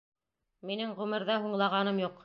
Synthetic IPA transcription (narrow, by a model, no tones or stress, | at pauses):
minɘŋʁʉmɘ̆ɾðɑɦuɴlˠɑʁɑnɤmjuq